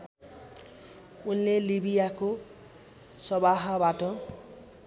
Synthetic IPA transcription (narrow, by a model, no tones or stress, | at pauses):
unlelibijako | sɔbaɦabaʈʌ